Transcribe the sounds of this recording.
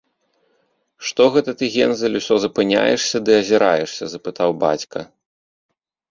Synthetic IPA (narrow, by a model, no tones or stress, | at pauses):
ʂt̪ɔɣɛt̪ɐt̪ɨɣʲɛnzɐlʲusʲɔzɐpɨnʲa̰jɛ̰ʂsʲɐd̪ɨɐzʲɛɾajɛʂsʲɐzɐpɨt̪awba̰t͡sʲkɐ